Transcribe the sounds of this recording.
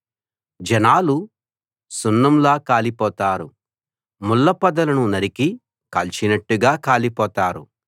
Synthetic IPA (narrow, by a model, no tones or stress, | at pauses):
d͡ʒɐnaːlu | sunːɐmlaːkaːlipɔːt̪aːɾu | mulːɐpɐd̪ɐlɐnunɐɾiki | kɐlt͡ʃinɐʈːuɡaːkaːlipɔːt̪aːɾu